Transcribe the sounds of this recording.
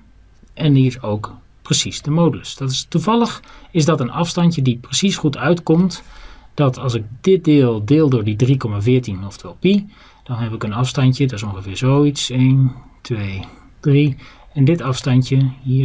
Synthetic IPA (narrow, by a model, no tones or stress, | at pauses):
ʔɛniɪsowk | prəsisdəmoːduləsd̥ɔtɪstuvɑlˠəxɪzdɔtənɑfstɑncjədiprəsisχutʰœɥtkɔmtd̥ɔtʰɑlˠsɪk̚dɪt̚dɪːlˠdɪːlˠdʊːɹdidrikɔmavɪːtinɔftʋɛlˠpi | d̥ɔnɦɛpɪkənɑfstɑntjədɔɪsõŋxəvɪːɹzowitsejntʰʋeː | d̥riɛndɪtɑfstɑntjəhi